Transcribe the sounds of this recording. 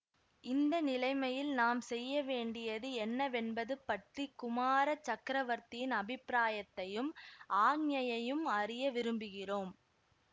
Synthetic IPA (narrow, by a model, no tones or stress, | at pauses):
ɪnd̪ɐnɪlɐɪmɐjɪlnaːmsɛjːɐʋeːɳɖɪjɐðɯɛnːɐʋɛnbɐðɯpːɐʈrikʊmaːɾɐt͡ʃːɐkɾɐʋɐɾt̪ɪjɪnɐbɪpːɾaːjɐt̪ːɐjɯmʔaːŋjɐjɐjɯmɐrɪjɐʋɪɾɯmbɯɣɪroːm